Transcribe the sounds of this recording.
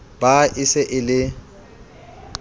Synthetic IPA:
b̥aʔɪsɪʔɪlɪ

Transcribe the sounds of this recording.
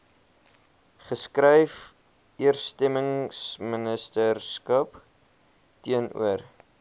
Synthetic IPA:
χəskrɛjf | iərstɛməŋsmənəstərskɐp | tiənṵər

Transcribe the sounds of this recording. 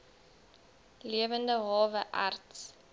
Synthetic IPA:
liəvəndəɦɑːvəʔa̰rts

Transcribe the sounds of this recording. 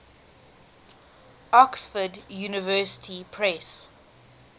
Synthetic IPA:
ɔksfədjuːnɪvɜːˑsɪ̥tʰipʰɹɛs

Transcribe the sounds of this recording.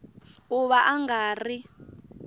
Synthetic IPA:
uβaʔaŋɡaːri

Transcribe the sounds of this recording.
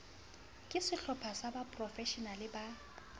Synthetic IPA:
kʼɪsɪɬɔpʰasabapʼrɔfɛʃɔnalɪba

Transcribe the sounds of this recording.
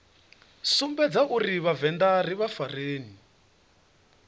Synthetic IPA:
sumbɛd͡zaʔuɾiβavɛndariβafareːni

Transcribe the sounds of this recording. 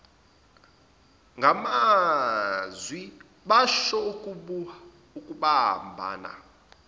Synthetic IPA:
ŋɡʱama | zwi | ɓaʃɔukʼuɓ | ukʼuɓa̰mbʱa̰ːna̰

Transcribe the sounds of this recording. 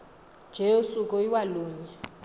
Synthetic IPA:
nd͡ʒʱeusuk̬ʼɔiwaluːɲɛ

